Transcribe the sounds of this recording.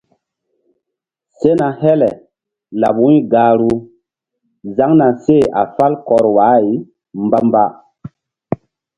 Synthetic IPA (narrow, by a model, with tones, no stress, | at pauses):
se˦na˨hɛ˦lɛ˨ | la˨bwu˦jɡa˨ɾu˦ | za˦ŋna˨se˦˨a̰˨fa˦lkɔ˨ɾwa˨˦ji˨ | mba˦mba˦